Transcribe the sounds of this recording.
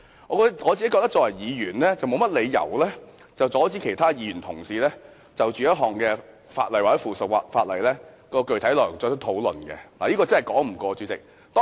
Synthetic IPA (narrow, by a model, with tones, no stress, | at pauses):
ŋɔː˨˧kɔ˧˥ŋɔː˨˧t͡siː˨e˨˥kɔ˧t̪ɐ˥t͡ʃɔː˧˥wɐ˨˩jjiː˨˧jyː˨˩nlɛː˥t͡sɐ˨wmo˨˧wmɐ˥t̚le˨˧jjɐ̰˨˩wlɛː˥ | t͡sɐ˨wt͡sɔː˨˥t͡siː˨˥kʰe˨˩jt̪ʰaː˥jiː˧jyː˨˩nt̪ʰʊ˨˩ŋsiː˨˧lɛː˥ | t͡sɐ˨wt͡ʃyː˨jɐ˥t̚ɦɔː˨ŋkɛː˧ | fa̰ː˧t̚lɐ˨˩jwaː˨˩t͡sɛ˨˥jfuː˨˩sə˨k̚a˧faː˧t̚lɐ˨˩jlɛː˥ | kɔː˧kɵ˨ɥt̪ʰɐ˨˥jlɔː˨˩jŋt͡sɔː˧t͡ʃʰt̪ʰo˨˥wlɵ̰˨nkɛ̰˧laː˨˩jiː˥kɔː˧t͡sɐ˥nhɐ˨˩jkɔː˨˥ŋm̩˨˩kɔː˧t͡ʃyː˨˥t͡sɪ̰˨k̚ | t̪ɔː˥